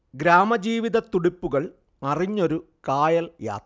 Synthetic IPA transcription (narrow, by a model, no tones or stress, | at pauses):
ɡɾaːmɐd͡ʑiːʋiðɐt̪uɽipːuɣɐɭ | ɐriɲːo̞ɾu | kaːjɐlja̰ːt̪